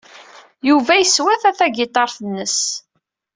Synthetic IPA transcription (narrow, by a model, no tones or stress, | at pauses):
juvæjəswæθæθæɡɪt̪ˤɑɾˤθənːəs